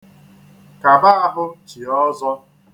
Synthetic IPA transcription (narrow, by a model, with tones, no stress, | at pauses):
ka˨ba˦a˨ɦʊ˦t͡ʃi˨ɔ˦zɔ˦